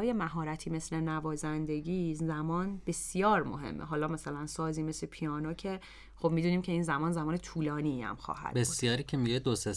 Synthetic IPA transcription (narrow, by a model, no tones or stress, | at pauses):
ɒːjemæɦɒːɾæt̪ʰiːme̞sle̞nævɒːzænd̪e̞ɟiːzæmɒːnb̥e̞sjɒːɾmo̰ɦḛmːeɦɒːlɒːmæsælænsɒːziːme̞slepʰijɒːnocʰe̞ | xo̞b̥miːd̪uːniːmcʰe̞iːnzæmɒːnzæmɒːnet̪ʰuːlɒːniæ̰mxɒ̰ːhæ̰d̪̥besjɒːɾiːcʰemiɡed̪ose